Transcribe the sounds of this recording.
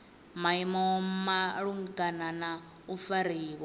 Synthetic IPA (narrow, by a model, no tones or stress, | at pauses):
maimɔmaɺuŋɡanana | ufaɾiːk̬ɔ